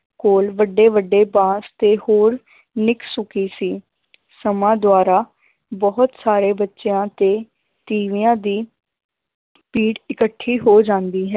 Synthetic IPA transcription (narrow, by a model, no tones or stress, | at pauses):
koːlʋəɖːeːʋəɖːeːbãːst̪eːhoːɾ | nɪksʊkiːsiː | səmãːd̪waːɾaː | bɔɦʊt̪saːɾeːbətːʃeãːt̪eː | t̪iːʋijãːd̪iː | piːʈɪkəʈʰːiːɦoːd͡ʒãːnd̪iːɦɛː